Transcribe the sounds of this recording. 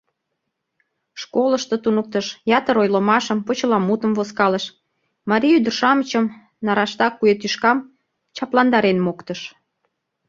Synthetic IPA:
ʃkoləʃt̪ot̪unək̚t̪əʃjɑt̪əɾojlomɑʃəmpot͡ɕəlɑmut̪əmvoskɑləʃ | mɑɾʲiyd̪ə̆rʃɑmət͡ɕəm | nɑɾɑʃt̪ɑkːujet̪yʃkɑm | t͡ɕɑplɑnd̪ɑɾenmokt̪əʃ

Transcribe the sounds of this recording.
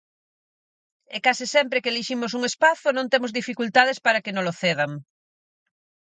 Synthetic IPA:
ekasɪsɛmpɾekeliʃimʊs̬uŋespaθonõnt̪emozðifikult̪að̞espaɾɐkenõloθeð̞ɐŋ

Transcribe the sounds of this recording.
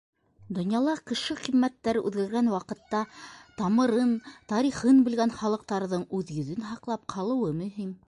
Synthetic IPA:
d̪ŏnjɑlˠɑkɘ̆ʃɘqimːæt̪ːæɾʔʉ̰ðɡæɾɡænwɑqɤ̆t̪ːɑt̪ɑmɤ̆ɾɤnt̪ɑɾiχɤnbɘ̆lɡænχɑlˠɤ̆q̚t̪ɑɾðɤɴʉðjɵ̆ðɘnɦɑqlˠɑp̚qʰɑlˠɤ̆wɤmɵ̆ɦim

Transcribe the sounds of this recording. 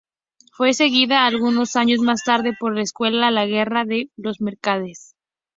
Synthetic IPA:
fwe̞se̞ɣiðaːlɣuno̞saɲo̞zmast̪aɾðe̞po̞ɾlaeskwe̞lalaɣ̞e̞raðe̞lo̞zme̞ɾkað̞e̞s

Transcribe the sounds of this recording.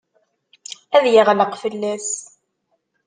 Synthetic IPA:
æðjiʁləqfəlːæs

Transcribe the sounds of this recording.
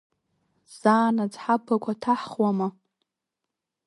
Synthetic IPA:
z̥aːnad͡zħapʰːakʷʰatʰaħχwama

